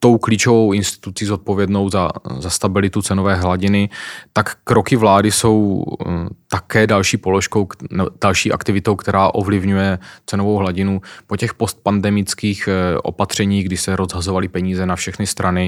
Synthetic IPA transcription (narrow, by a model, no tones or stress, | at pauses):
t̪o̞wkliːt͡ʃo̞vo̞wɪnst̪ɪ̥t̪ut͡siːzo̞t̪̚po̞vjɛdno̞wza̰zast̪abɪlɪt̪ut͡sɛnovɛːɦlaɟɪnɪt̪akːɾo̞kɪvlaːdɪso̞w | t̪akɛːdalʃiːpo̞loʃko̞wnɛd̥alʃiːʔa̰kt̪ɪvɪt̪o̞wkt̪ɛɾaːʔo̞vlɪvɲujɛt͡sɛnovo̞wɦlaɟɪnupocɛxpo̞st̪̚pandɛmɪt͡skiːxʔo̞̰pat̪r̝̥ɛɲiːɣɡdɪsɛɾo̞zɦazo̞valɪpɛɲiːzɛnafʃɛxnɪst̪ɾʔanɪ